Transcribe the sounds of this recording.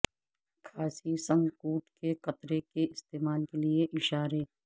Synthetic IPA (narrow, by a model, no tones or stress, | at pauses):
kʰaːsisɐ̃ŋɡkuːʈkekɐt̪ɾekeɪst̪eːmaːlkelieʔɪʃaːɾe